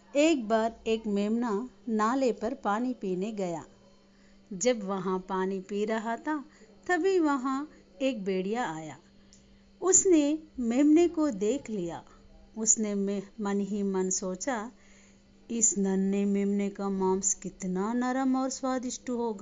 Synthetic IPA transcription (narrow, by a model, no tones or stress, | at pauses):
eːk̚baːɾeːkmeːmnanaːlepɐɾpaːnipiːneɡɐja̰ː | d͡ʒɐbʋɐɦãpaːnipiɾɐɦat̪ʰat̪ɐbʱiʋɐɦã | eːk̚beːɽ̤ijaaːja̰ː | ʊsnemeːmnekod̪eːkʰlija̰ː | ʊsnemmɐnɦimɐnsoːt͡ʃa | ɪsnɐnːəmeːmnekamãːmskɪt̪nanɐɾəmɔːɾswaːd̪ɪʃʈuɦoːɡaː